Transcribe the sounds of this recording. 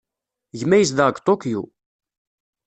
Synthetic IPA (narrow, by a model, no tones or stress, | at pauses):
ʝmæjəs̬ðəʁɡʷt̪ˤokjṵ